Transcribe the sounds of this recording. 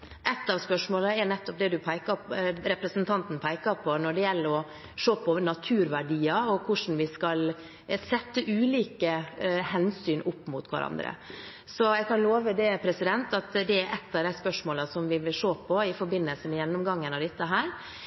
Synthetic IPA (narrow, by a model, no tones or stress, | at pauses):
ʔɛt̪ːɑʋspœʂmoːləɛɾnɛt̪ːɔp̚d̪ɛd̪ʉpʰæɪkɑɾɛpɾəsnt̪ʰɑnt̪n̩pʰæɪkɑpʰɔnɔɖɛjɛlːəɾɔ | ʂoːpʰɔnɑt̪ʰʉːɾʋæɖiːɑɔkʰʊʂn̩ʋɪskɑl | sɛt̪ːəʔʉːliːkəhɛnsyːnʔʊpːmʊt̪ʰkʋɑ̰ɾɑ̰nd̪ɾə̰ | sɔæɪkʰɑnloːʋəd̪ɛpʰɾɛsɪd̪ɛnt̪ɑt̪d̪ɛːɾʔɛt̪ːɑʋd̪æɪspœʂmoːləsɔmʋɪʋɪlʂoːpʰɔɪfɔɾbɪnːəlsəmɛjɛnːʊmɡɑŋːənɑʋd̪ɪt̪ːəɦæːɾ